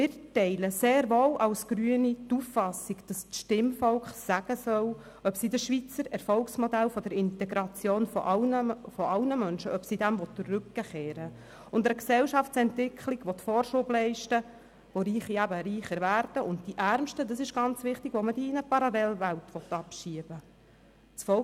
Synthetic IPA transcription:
mɪɾtɛɪləseːɾʋoːwʔɑlsɡ̥ɾyənitufːɑsiɡd̥ɑstʃtɪmfɔlkχsæɡ̥əsœl | œpsidəʃʋit͡səɾɛɾfɔlksmɔdælfɔd̥əɾɪntɛɡɾɑt͡sjoːnfɔ̰ʔɑnəfɔɑwnəmœnʃəʔœpsidæmvɔtːərʉk̚ɡ̥əχeːɾə | ʊndəksɛwʃɑftt͡sɛntvɪkχliɡʋɔt̪fɔːɾʃʊblɛɪʃtə | ʋoɾiːχiæbəɾiːχəɾvæːɾd̥əʔʊntd̥iʔæɾmʃtədɑsɪʃɡ̥ɑnt͡sʋɪχtiɡʋomədiːɪnəpɑɾɑlɛlvæltʋɔt̪ɑpʃiəb̥ə | t͡sfɔ

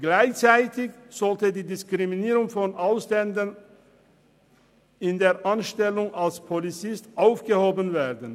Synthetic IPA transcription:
ɡ̥laɪçt͡saɪtɪçz̥ɔltədiːdɪskʁiminiːʁʊŋfɔnʔaʊslɛndən | ɪndeːɐʔanʃtɛlʊŋalspʰolit͡sɪstʔaʊfɡ̥əhoːbənveːɐdən̩

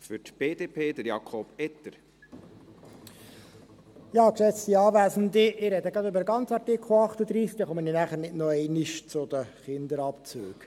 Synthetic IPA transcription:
fʏɾtb̥eːd̥eːpʰeːd̥̪əɾjɑkʰɔb̥ɛt̪əɾ | jɑːkʃɛt͡st̪iɑːvæːzn̩d̪iɪɾɛd̪əɡɾɑd̪ɵbəɾəɡɑnt͡sɑɾtɪkχl̩ɑχt̪əd̪ɾiːskd̪ɑχɔməninæχəɾnɪdnɔɛɪnɪʃt͡sʊd̪əχɪnd̪əɾɑpt͡søːk

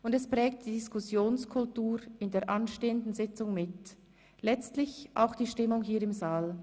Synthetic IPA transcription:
ʊndɛspʁ̥ɛːk̚td̥iːdɪskʰʊsjoːnskʰʊltuːɾɪndeːɐʔanʃteːəndn̩zɪt͡sʊŋmɪt | lɛt͡stlɪçʔa̰ʊxd̥iːʃtɪmʊŋɦiːɐɪmzaːl

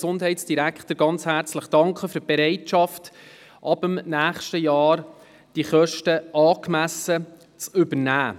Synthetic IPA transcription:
sʊndhɛɪtsd̥iɾækχtəɾɡɑnt͡shæɾt͡sləχd̥ɑŋkχəføɾb̥eɾɛɪtʃɑft | ʔɑbəmnæːχʃtəjɑːɾ | d̥iχœʃtəʔɑːkmæsə | t͡sʏbənæː

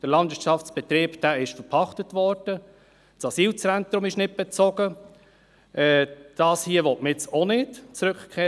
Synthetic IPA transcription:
d̥əɾlɑnd̥ʋɪʃɑft͡sb̥ɛt̪ɾiːpd̥æːɪʃfəɾpʰɑχtətvɔɾd̥ə | t͡sɑsiːlt͡sɛnt̪ɾʊmɪʃnɪt̚b̥ɛt͡sɔɡ̥ə | ʔɛːd̥ɑːshiːəʋɔtməɪt͡sonɪtt͡sɾɵkkʰeː

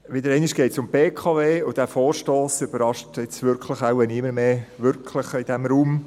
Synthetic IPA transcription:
ʋɪdəɾɛɪnɪʃɡ̥ɛɪtsʊmb̥eːkʰɑveːʊd̥æfoːɾʃtoːsyb̥əɾɑʃtɪt͡sʋʏɾkʰləχaʊʋɛnɪməɾmeːʋʏɾkʰləχɪd̥ɛmɾuːm

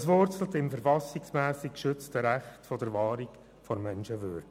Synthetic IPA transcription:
əsʋʊɾt͡sl̩tɪmfəɾfɑsiksmæːsikkʃʏt͡stəɾæχtfɔdəɾʋɑːɾik | fɔɾmɛnʃəʋʏ̰ɾdə

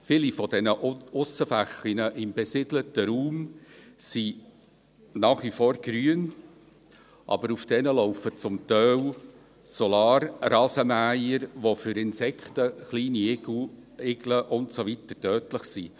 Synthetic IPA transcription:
fɪlifɔd̥ɛnəʔʊsəfæχinəʔɪmbɛsɪdlətəɾuːmsi | nɑːχʋifoːɾɡ̥ɾyən | ʔɑ̰bəɾufd̥ɛnəloʊfət͡sʊmt̪œw | sɔlɑːɾrɑːzəmæjəɾʋofʏɾɪnsɛktəχliːni | ɪɡləʔʊntsovitətœːtləχsi

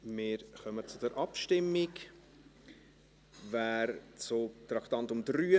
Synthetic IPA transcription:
mɪːɾχœmət͡sʊdəɾʔɑpʃtɪmːɪk | væːɾt͡sʊt̪ɾɑkt̪ɑntʊmd̪ɾyːə

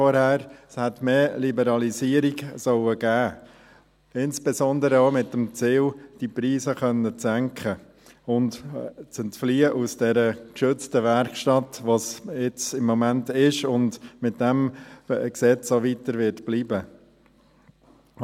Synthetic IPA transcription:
ɔɾhæːɾshɛtmeːlibəɾɑlisiəɾiɡsœwəɡ̥æː | ɪnsb̥esɔndəɾəoːmɪtːəmt͡sɪld̥ipɾiːsəχœnːət͡sæŋkʰχə | ʊndt͡sɛntfliːəʔusd̥ɛɾəkʃʏt͡stəʋæɾkʃtɑtʋosɪt͡sɪmːɔmæntɪʃʊndmɪtd̥ɛmksɛt͡soʋitəɾʋɪɾtb̥liːbə

